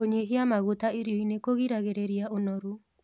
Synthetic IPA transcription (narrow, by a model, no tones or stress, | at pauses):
oɲeɦeamaɣotaeɾiɔinekoɣiɾaɣeɾeɾiaʔonɔɾu